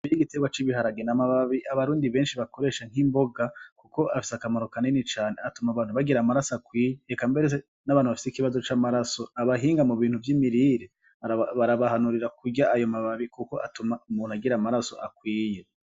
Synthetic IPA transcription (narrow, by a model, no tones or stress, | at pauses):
ijiɡiteɡwat͡ʃiβiɦaɾaɡenamaβaβiʔaβaɾuːndiβe̞ːnʃiβako̞ɾe̞ːʃaŋ̥imbo̞ɡakuko̞ʔafi̥sakamaɾokanenit͡ʃaːneatumaβaːn̥uβaɡiɾamaɾasoakwiːjeːkambeɾe | naβaːnhuβafi̥sikiβazo̞t͡ʃaːmaɾaso̞aβaɦiːŋɡamuβiːn̥huvjimiɾiɾe | βaɾaβahanuɾiɾakuɟaʔajo̞maβaβikuko̞ʔatumaumuːn̥uaɡiɾamaɾaso̞̰ʔakwiːje̞